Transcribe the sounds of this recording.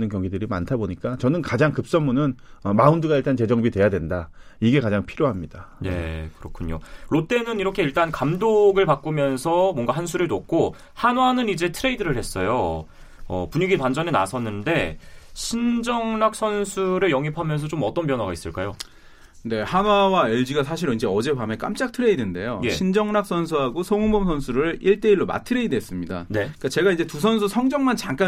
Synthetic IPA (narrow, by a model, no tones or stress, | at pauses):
nɯnkjʌŋɡidɯɾimantʰaboɲik͈at͡ɕʌnɯnkad͡ʑaŋkɯp̚s͈ʌmːunɯnʌmaundɯɡaiɭt͈ʰant͡ɕe̞d͡ʑʌŋbidwe̞jadwe̞nda | iɡe̞kad͡ʑaŋpʰiɾjoɦamɲid̥ane̞̰kɯɾʌkʰuɲo̰ɾot͈e̞nɯniɾʌkʰe̞iɭt͈ankamdoɡɯɭpak͈umjʌnsʰʌmwʌnɡaɦansʰuɾɯɭnok̚k͈ʰo | hanwanɯnid͡ʑe̞tʰɯɾe̞idɯɾɯɭhe̞s͈ʌjo̰ | ʌ̰puɲiɡitwand͡ʑʌne̞na̰sʰʌnːɯnde̞ɕʰind͡ʑʌŋnak̚s͈ʰʌnsʰuɾɯɭjʌŋipʰamjʌns̬ʰʌt͡ɕomʌt͈ʌnp̬jʌnwaɡais͈ɯ̰ɭk͈a̰jo | ne̞hanwawaeɭd͡ʑiɡas̬ʰaɕʰiɾind͡ʑe̞ʌd͡ʑe̞pame̞k͈a̰mt͡ɕ͈ak̚tʰɯɾe̞idinde̞̰jojeɕʰind͡ʑʌŋnak̚s͈ʰʌnsʰuɦaɡosʰoŋuŋbʌmsʰʌnsʰuɾɯɭiɭt͈e̞iɭːoma̰tʰɯɾe̞idɦes͈ɯmɲida̰neikat͡ɕe̞ɡaind͡ʑe̞tusʰʌns̬ʰusʰʌŋd͡ʑʌŋmant͡ɕaŋk͈a